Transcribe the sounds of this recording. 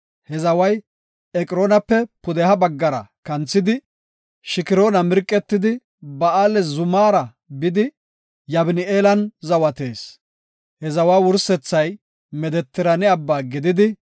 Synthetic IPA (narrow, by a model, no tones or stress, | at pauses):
hɛzɐwɐj | ɛkʼɪɾo̞ːnɐpːɛpʊd̪ɛhɐbɐɡːɐɾɐ̰kɐnt͡sːɪd̪ɪ | ʃɪkɪɾo̞ːnɐmɪɾkʼːɛt̪ːɪd̪ɪ | bɐaːlɛzʊmaːɾɐ | bɪd̪ɪ | jɐbɪnɪeːlɐnzɐwɐt̪e̞ːs | hɛzɐwaːwʊɾsɛt͡sːɐj | mɛd̪ɛt̪ːɪɾɐnɪɐbːaːɡɪd̪ɪd̪ɪ